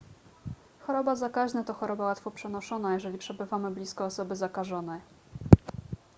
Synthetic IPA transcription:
xɔɾɔbazakaʑnat̪ɔxɔɾɔbawat̪fɔpʂɛnɔʂɔnajɛʐɛlʲipʂɛbɘvamɘblʲiskɔːsɔbɘzakaʐɔnɛj

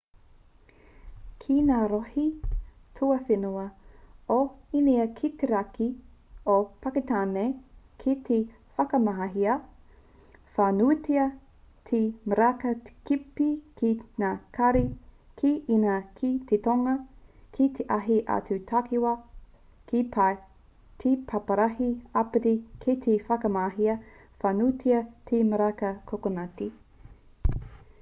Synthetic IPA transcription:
kʰinaːɾohitʰuɐfenuɐoiniɐkʰit̪eɾɐkiopɐket̪aːne | kʰit̪ʰe | fɐkɐmɐɦɐɦiɐ | faːnutiɐ | tʰimɐɾakɐtkipikʰinakʰɐɾi | kʰiinɐkʰit̪ʰet̪oŋɐkʰit̪ʰeʔɐɦiʔɐ̰t͡sut̪ʰakiwɐ | ki | tʰipʰɐpɐɾɐhiɐpeɾikʰit̪ʰefɐkɐmaɦiɐ | fanutʰiɐt̪ʰemɐɾakɐkʰokonɐti

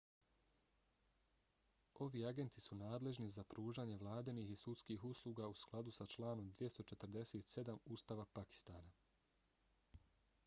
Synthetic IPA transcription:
o̞ʋiːaɡe̞nt̪isunaːd̪le̞ʒnizapɾuːʒaːɲe̞ʋlˠaːd̪enixisut̪skiːxuslˠuːɡausklˠad̪usat͡ʃlˠaːno̞md̪ʋje̞st̪o̞t͡ʃe̞t̪ɾd̪e̞seːt̪se̞d̪amuːst̪aːʋapaki̥st̪aːna

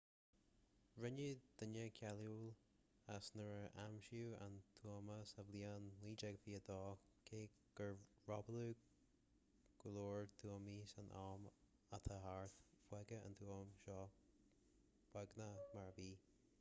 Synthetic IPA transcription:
ɹɪnəd̪̥ənəkʰɛluːl | asnəɹəʔamʃuːa̰nt̪ʰuəməsəvliːanliːd͡ʒɛɡəfiːəd̪ɔːkʰeː | ɡ̥əɹ | ɹɔbəluː | ɡ̥əloːɹt̪ʰuəmiːsanʔaːm | at̪ʰəɦaɹθb̥wɛɡəə̰nt̪ʰuəmʃɔː | w̥wɛɡnamaɹbiː

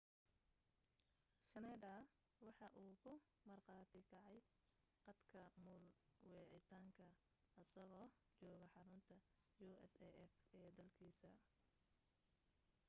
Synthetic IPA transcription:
ʃɐnɛːd̪ɐ | wɑħɑʔuːkʰʊ | mɐrqɑːt̪ʰɪkʰɑʕɑj | qɑd̪kʰɐmʊːlwɛːʕɪt̪ʰaːŋkʰɐ | ɐsɐɣɔː | t͡ʃɔːɣɐħɑɾʊnt̪ʰɐ | juːɛsɛʔɛfɛːd̪ɐlkʰiːsɐ

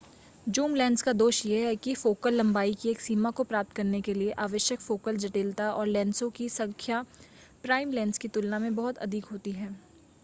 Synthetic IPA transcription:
d͡ʒuːmlɛ̃ːnɖskad̪oːʃjeɦɛkifoːkəlːɐ̃mbaːikieːksiːmakopɾaːp̚t̪̚kɐɾnekelieʔaːʋəʃjəkfoːkəld͡ʒɐʈeːlt̪aɔːɾlɛ̃ːnsõkisɐ̃ŋkʰja | pɾaːɪmlɛ̃ːnskit̪ʊlnamẽbɐɦʊt̪ɐ̰d̪ʱɪkɦoːt̪iɦɛː

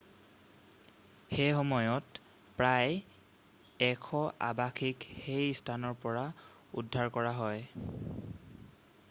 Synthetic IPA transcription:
xejxɔmɔjɔt | pɹaj | ɛkʰɔʔa̰bakʰikxejstʰanɔɹpɔɹa | udʱːaɹkɔɹaɦɔj

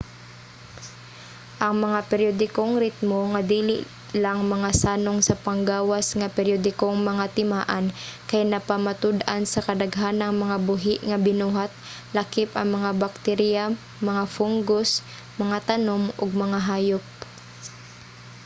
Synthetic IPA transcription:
ʔɐŋmɐŋapɛɾjod̪ɪkoŋɾɪt̪̚moŋad̪iːlɪ̰ʔ | laŋmɐŋasaːnoŋsɐpɐŋɡaːwasŋɐpɛɾjod̪ɪkoŋmɐŋat̪ɪmaːʔankajnɐpamat̪ʊd̪ʔansɐkɐd̪ɐɡɦanɐŋmɐŋabʊɦɪʔŋɐbɪnuːɦat̪̚ | lɐkɪpʔɐŋmɐŋabak̚t̪ɛɾja | mɐŋafuŋɡos | mɐŋat̪ɐnomʔoɡ̚mɐŋaɦaːjop̚

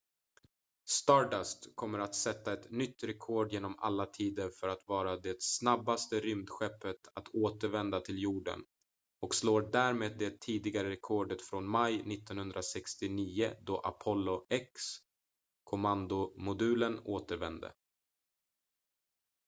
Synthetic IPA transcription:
st̪ɑːɖast̪kʰɔmːəɾat̪sɛt̪ːaɛt̪nʏt̪ːɾɛkʰoːɖjeːnɔma̰lːat̪ʰiːd̪əɾfœɾat̪vɑːɾad̪ɛsnabːast̪əɾʏmd̪ɧɛpːət̪ʰat̪ʰoːt̪əɾvɛnd̪at̪ʰɪljuːɖə̰n | ɔksloːɖæːɾmeːd̪̚ːɛt̪ʰiːd̪ɪɡaɾəɾɛkʰɔːɖət̪fɾɔnmajnɪt̪ːɔnhɵnd̪ɾasɛkst̪ɪniːəd̪ɔʔa̰pʰɔlːʊɛks | kʰʊmand̪ʊmʊd̪ʉ̟ːlənoːt̪əɾvɛnd̪ə̰

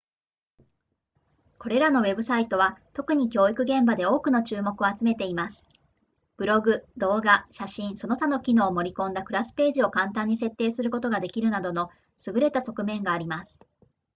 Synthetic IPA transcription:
ko̞ɾe̞ɾano̞we̞bɯ̟sait̪o̞β̞at̪o̞kɯ̟ɲ̟ikʲo̞ːikɯ̟ɡẽ̞mbad̪e̞o̞ːkɯ̟no̞t͡ɕɨːmo̞kɯ̟o̞at͡sɨme̞t̪e̞imasɨ̥ | b̥ɯ̟ɾo̞ɡɯ̟d̪o̞ːɡaɕaɕĩɰ̃so̞no̞t̪ano̞kʲino̞ːmo̞ɾʲikõ̞nd̪akɯ̟ɾasɨ̥pe̞ːʑio̞kãnt̪ãɲ̟ːise̞t̪ːe̞ːsɨɾɯ̟ko̞t̪o̞ɡad̪e̞kʲiɾɯ̟nad̪o̞no̞ | sɨɡɯ̟ɾe̞t̪aso̞kɯ̟mẽ̞ŋɡaːɾʲimasɨ̥

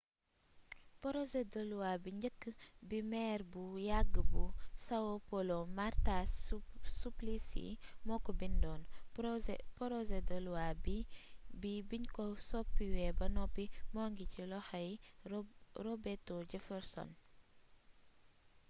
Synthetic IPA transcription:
pɔɾɔzedɔluwabiɲɟəkːəbimɛːrbujaɡːəbusɐwopɔlɔmarta | suplisḭmɔkːɔbindɔːn | pɔɾɔzedɔluwabibibiɲkɔsɔpːiwɛːbɐnɔpːimɔːŋɡicilɔxɐj | rɔbɛtːɔɟɛfɛɾsɔ̰n

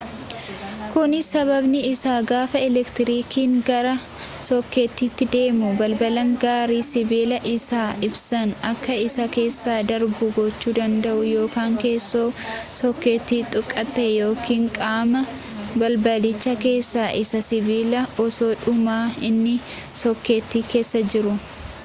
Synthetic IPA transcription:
kʊnɪsɐβɐbnɪɪsaːɡaːfɐɛlɛkt̪ɪɾiːkʰiːŋɡɐɾɐ | sɔkːe̞ːt̪ːiːt̪ːɪd̪e̞ːmʊbɐlbɐlɐŋɡaːɾiːsɪbiːlɐʔɪsaːʔɪbsɐnɐkːɐɪsɐke̞ːsːaːd̪ɐɾbʊɡɔt͡ʃːuːd̪ɐnd̪ɐʔʊjo̞ːkaːŋke̞ːsːoːsɔkːe̞ːt̪ːiːt̪ʼʊkʼːɐt̪ːeːjo̞ːkiːŋkʼaːmɐ | bɐlbɐlɪt͡ʃːɐke̞ːsːaːʔɪsɐsɪbiːlɐɔso̞ːᶑʊmaːɪnːɪ | sɔkːe̞ːt̪ːiːkʰe̞ːsːɐd͡ʒɪɾʊ

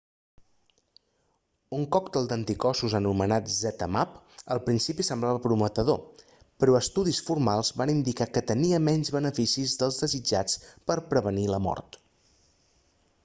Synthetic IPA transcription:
uŋkɔkt̪ɛlˠd̪ənt̪ikɔsuzənumənat̪zɛt̪əmap | əlˠpɾinsipisəmblaβəpɾumət̪əðo | pɾɔəst̪uðisfurmalˠzβanind̪ikakət̪əniəmɛnzβənəfisizðəlˠzðəzid͡ʒat͡spəɾpɾəβəniləmɔ̰rt̪

